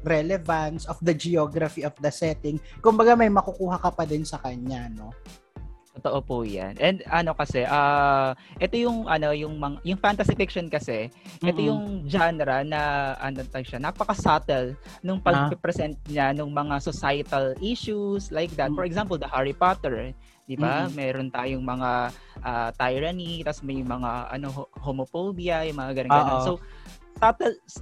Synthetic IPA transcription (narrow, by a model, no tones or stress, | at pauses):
ɾɛlɛvɐnsɔfd̪ɐd͡ʒɛoɡɾɐfiɔfd̪ɐsɛt̪ɪŋkʊmbɐɡamɐjmɐkukuːɦɐkɐpɐd̪ɪnsɐkɐɲano̞ | t̪ot̪oʔopuja̰nʔɛnd̪ɐno̞kɐsɛʔaːʔɛt̪o̞jʊŋʔɐno̞jʊŋmɐŋajʊŋfant̪ɐsɪfɪkʃonkɐsɛʔɛojʊŋd͡ʒanɛɾɐnɐʔɐ̰not̪ɐɡʃanaːpɐkɐsat̪ɛl | nʊŋpɐɡpɛpɾɛsɛnt̪̚ɲanʊŋmɐŋasosajɐt̪ɐlʔiʃuslajk̚d̪at̪̚fɔɹɛɡzãmpold̪ɐhaɹɪpat̪ɛɹ | d̪ɪbamɛːɾont̪aːjoŋmɐŋa | ʔat̪ajɹɐnit̪ɐsmɐjmɐŋaʔɐ̰no̞ohomofobiɐjʊŋmɐŋaɡɐnoɡɐnnsow | sat̪ɛls